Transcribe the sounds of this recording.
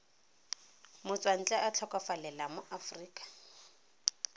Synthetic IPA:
mʊt͡swan̩t͡ɬʼɛʔat͡ɬʰɔkɔfalɛlamʊʔafriːkʼḁ

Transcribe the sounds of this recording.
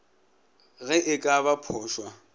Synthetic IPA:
ɣɛʔɪkʼaβapʰʊːʃwa

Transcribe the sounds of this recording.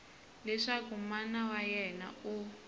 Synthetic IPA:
lɛʂakumanawajɛna̰u

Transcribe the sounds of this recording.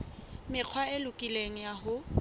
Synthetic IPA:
mɪq͡χʰwaɪlʊkʼileŋ̩jaɦʊ

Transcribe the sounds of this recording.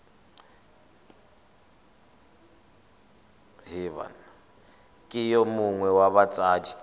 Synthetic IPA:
ɦiβa̰n | kʼijɔmuŋwɛwaβat͡sʼaːd͡ʒi̥

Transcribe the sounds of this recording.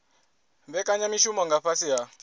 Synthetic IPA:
βɛkaɲamiʃumɔŋɡaɸasiɦa

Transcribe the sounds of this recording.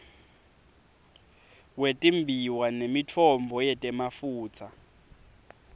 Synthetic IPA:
wetʼimbʱiwanemit͡fʰɔmbʱɔjɛtʼɛmafuːt͡sʰa

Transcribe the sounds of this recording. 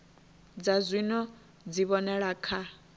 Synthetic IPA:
d͡zazʷinɔ | d͡ziβɔnɛɺaːkʰa

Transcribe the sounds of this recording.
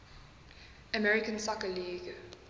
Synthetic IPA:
əmɛɹɪkə̃nsakəliːɡ

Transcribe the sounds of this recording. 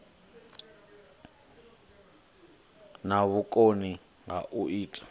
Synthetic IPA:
naβukʼoni | ŋa̰ʔuʔiːtʼḁ

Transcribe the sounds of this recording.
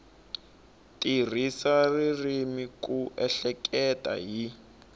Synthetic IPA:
tʼir̤isaririmikuʔɛɬɛkʼɛtʼa̰ɦi

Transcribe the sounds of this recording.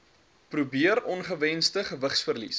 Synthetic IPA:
prubiəɾɔnχəvɛnstəχəvəχsfərlḭs

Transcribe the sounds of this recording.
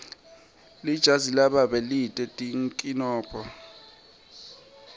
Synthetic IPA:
lid̥ʒ̥ʱazilaɓaɓɛlitʼɛtʼiŋkʼinɔːpʰʼɔ

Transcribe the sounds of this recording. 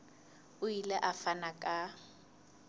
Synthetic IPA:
ʊilɛʔafanakʼa

